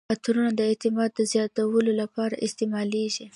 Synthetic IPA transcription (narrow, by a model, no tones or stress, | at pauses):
at̪ɾunad̪əɪt̪ɪmɑd̪̚ːəzjɑt̪awəlolapɑɾa̰ʔɪst̪emɑleʒi